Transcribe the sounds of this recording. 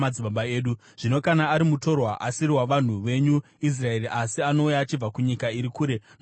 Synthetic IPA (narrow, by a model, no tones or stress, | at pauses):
aiɓaɓaeːɗu | ʐ̥ino̞kanaːɾimuto̞rwaʔasiriwaʋan̤uʋe̞ɲu | is̬rae̞riʔasiano̞ujaːt͡ʃib͡vakuɲikaiɾikuːɾe̞n